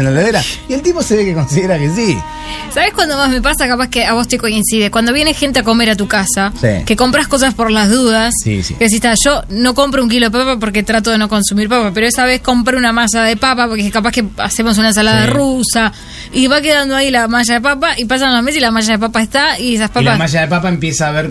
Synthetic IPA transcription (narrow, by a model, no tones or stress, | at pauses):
nlaleðeɾaielt̪iposeβekeko̞nsiðeɾakesi | saβe̞hkwand̪oβazmep̬asakapaskeaβo̞st̪eko̞insiðekwand̪o̞βjenexe̞nt̪eako̞me̞ɾat̪ukasaḛke̞ko̞mpɾahko̞s̬aspo̞ɾlazðuðassḭkeðes̬ist̪aʒo̞no̞ko̞mpɾouŋk̬ilo̞ðepapap̬oɾk̬e̞t̪ɾat̪̬oðeno̞ko̞nsumiɾpapapeɾoesaβ̞esko̞mpɾunamas̬aðepapapoɾkekapakea̰se̞mos̬unaensalaðaerusa | iβak̬eðand̪oailamaʃ̬aðep̬apaʔipas̬anlames̬ilamaʒaðep̬apaest̪aiesaspalpamaʃ̬aðepapaempjesaːβeɾ